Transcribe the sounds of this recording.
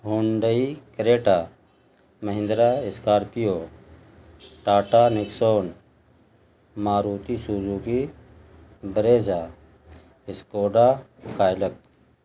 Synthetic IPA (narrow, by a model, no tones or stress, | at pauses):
ɦoːɳɖəikɾeːʈa | məɦɪ̃nd̪ɾaːɪskaːɾpijoː | ʈaːʈaːnɪksoːn | maːɾuːt̪isuːzuki | bəɾeːzaː | ɪskoːɖaːkaːjlək̚